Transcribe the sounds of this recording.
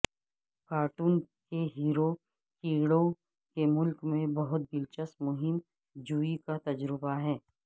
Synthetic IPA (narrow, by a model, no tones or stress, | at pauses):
kaːɾʈuːnkeɦiːɾo | kiːɽõ | kemʊlkmẽbɐɦʊt̪̚bɪlt͡ʃəsmʊɦɪm | d͡ʒuːikat̪ɐd͡ʒɾəbaɦɛː